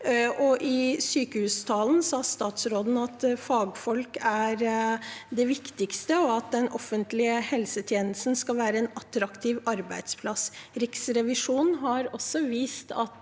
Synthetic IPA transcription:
ʔɔʔɪsyːkəhʉːst̪ʰɑːln̩sɑːst̪ɑːt̪sɾoːd̪n̩ɑt̪fɑːɡfɔlkæɾ | d̪ɛʋɪkt̪ɪkst̪əɔɑt̪̚d̪ɛnʔɔfənt̪lɪəhɛlsət̪ʰjeːnəlsn̩skɑlʋæːɾəɛnɑt̪ɾɑkt̪ʰiːʋɑɾbæɪd̪spʰlɑsɾɪksɾɛʋɪʂuːnnɦɑɾɔsːɔʋiːst̪ɑ̰t̪

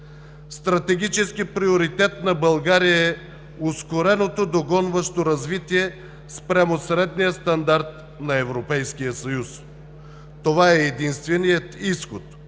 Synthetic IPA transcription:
st̪ɾɐt̪ɛɡʲit͡ʃɛskipɾioɾit̪ɛt̪nɐbɐlˠɡaɾijəɛ | oskoɾɛnot̪od̪oɡɔnvɐʃt̪oɾɐzvit̪iɛ | spɾʲamosɾɛd̪nijəst̪ɐnd̪aɾt̪ | nɐɛvɾopɛjskijəsɐjus | t̪ovaɛːd̪inst̪vɛnijət̪isxot̪

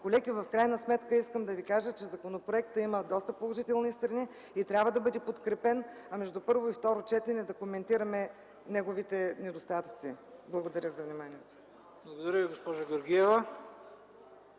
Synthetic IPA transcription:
kolɛɡivɐfkɾajnəsmɛt̪kəiskəmd̪ɐvikaʒət͡ʃɛzɐkonopɾoɛk̚t̪əiməd̪ɔst̪əpolˠoʒit̪ɛlˠnist̪ɾɐni | it̪ɾʲabvəd̪ɐbɤd̪ɛpot̪kɾɛpɛnɐmɛʒd̪upɤɾvoift̪ɔɾot͡ʃɛt̪ɛnɛd̪ɐkomɛnt̪iɾɐmɛ | nɛɡovit̪ɛnɛd̪ost̪at̪ə̥t̪sḭblˠɐɡod̪ɐɾʲəzɐvnimaniɛt̪o̥ | blˠɐɡod̪ɐɾʲəviɡospɔʒaɡʲoɾɡʲiɛvɐ

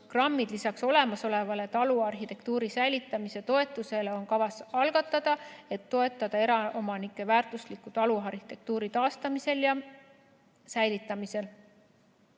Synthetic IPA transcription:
krɑmːid̪̥lisɑkso̞le̞mɑso̞le̞vɑle̞t̪ɑluɑrɦit̪e̞k̚t̪uːɾisæjlit̪ːˑɑmise̞t̪o̞e̞t̪ːˑuse̞leo̞nkɑvɑsɑlɡ̥ɑt̪ːˑɑd̪̥ɑe̞t̪ːo̞e̞t̪ˑːɑd̪̥ɑe̞ɾɑomɑnikːˑe̞væːrt̪ˑuslikːut̪ɑluɑrhi̥t̪e̞k̚t̪uːɾit̪ɑːst̪ɑmise̞ljɑ | sæjlit̪ːˑɑmise̞l

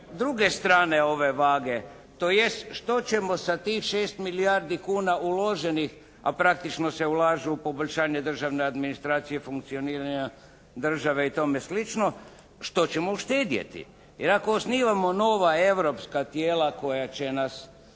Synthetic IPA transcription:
d̪ɾuɡe̞st̪ɾaːne̞o̞ʋe̞ʋaːɡe̞ | t̪oːje̞st̪ʃt̪o̞t͡ɕemo̞sat̪ixʃeːst̪miliaɾd̪ikuːnaulo̞ʒe̞nix | a̰pɾak̚t̪it͡ʃno̞se̞ulaːʒeupo̞boʎʲʃaːɲe̞d̪r̩ʒaʋne̞ad̪minist̪ɾaːt̪sijefuŋk̚t̪sio̞niːɾaɲa | d̪r̩ʒaʋeit̪o̞meslit͡ʃno̞ | ʃt̪o̞t͡ɕe̞mo̞uʃt̪eːd̪jḛt̪ḭ | jeɾakoːsniːʋamo̞no̞ʋae̞ʋɾo̞pskat̪jeːlako̞jat͡ɕe̞nas

